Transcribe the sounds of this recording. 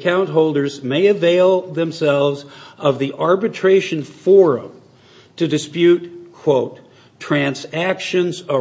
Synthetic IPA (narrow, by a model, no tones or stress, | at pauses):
kʰãʊ̃nt̚ɦoʊlˠdə˞zmeɪɨveɪlˠðɨ̃msɛlˠvzʌvðiʔɑɹbɨtʰɹ̥eɪʃɨ̃nfɔɹɨ̰̃m | tʰɨdɨspjʉtkʰw̥oʊtʰ | ɹ̥æ̃nzækʃɨ̃nzə